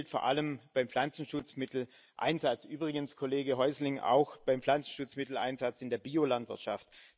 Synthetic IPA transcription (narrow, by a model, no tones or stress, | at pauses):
ltfɔɐʔa̰ləmb̥aɪmflant͡sn̩ʃʊt͡smɪtl̩ | ʔa̰ɪnzat͡sʔyːbʁɪɡənskʰoleːɡəɦɔʏzlɪŋa̰ʊxb̥aɪmpflant͡sn̩ʃʊt͡smɪtl̩ʔa̰ɪnzat͡sɪndeːɐbiːolantv̥ɪɐtʃa̰ft